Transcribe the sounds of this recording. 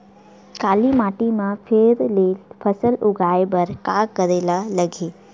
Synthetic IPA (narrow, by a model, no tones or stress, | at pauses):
kaːlimaːʈimãpʰeːɾleːpʰɐsəlʊɡʱaːebɐɾkaːkəɾeːlalɐɡʱeː